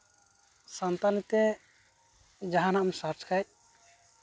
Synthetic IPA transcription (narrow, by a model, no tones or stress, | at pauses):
sant̪anit̪ɛ | d͡ʒaɦanaʔmsaɾt͡ʃkʰaj